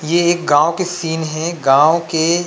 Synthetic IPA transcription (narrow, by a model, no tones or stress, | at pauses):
jeeːk̚ɡãːwokesiːnɦɛ̃ɡãːõke